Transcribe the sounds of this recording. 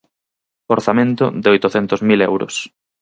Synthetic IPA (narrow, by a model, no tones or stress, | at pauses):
oɾθamẽnt̪ʊ̰d̪eojt̪ʊθɛnt̪ozmilɛ̰wɾʊ̰s